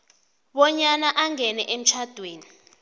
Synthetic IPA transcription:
ɓɔɲanaʔaŋɛnɛʔem̩t͡ʃʰad̥ʱweːni

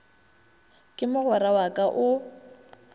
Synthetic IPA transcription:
kʼɪmʊɣʊrawakʼaʔʊ

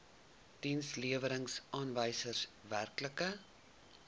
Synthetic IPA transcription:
d̥insliəvəɾəŋsʔɑːnvəjsərsværkləkə

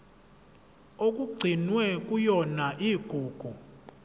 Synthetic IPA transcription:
okʼuɡ͡ǀʱinwɛkʼujɔnaʔiːɡ̥ʱuːɡ̥ʱu

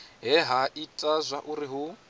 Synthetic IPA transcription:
ɦɛɦaʔitʼazʷaʔuɾiɦu

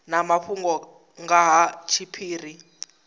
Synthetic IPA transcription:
namaɸʰuŋɡɔ | ŋɡaɦat͡ʃʰipʰiːri

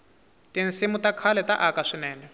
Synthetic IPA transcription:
tin̩simutakʰalɛtaʔakaʂinɛːnɛ

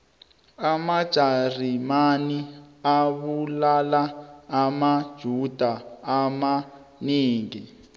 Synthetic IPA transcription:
amad̥ʒ̥ʱarimaniaβulalaːmad̥ʒ̥ʱud̥ʱaːma | niːŋɡi

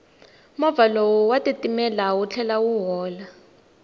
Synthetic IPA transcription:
mɔvalowuwatetimɛlawut͡ɬʰɛlawuɦɔːla

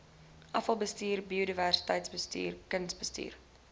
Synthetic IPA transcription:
ʔɐfɐlˠbəstiːrbiodiværsi̥təjtsbəstḭːrkənsbəstḭːr

